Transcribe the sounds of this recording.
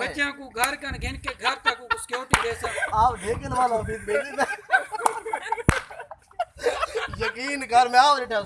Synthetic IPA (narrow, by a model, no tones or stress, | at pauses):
bət͡ʃãːkũːɡʱəɾkəɳɡɪnkeɡʱəɾt̪ãːkũːkːsɪ̥kjoːʈiːd̪eːsənaːpɖʱeːkənʋaːlãːəmiːd̪̚beːniːt̪e | jəkiːnɡʱəɾmeaːɾɪʈʰãː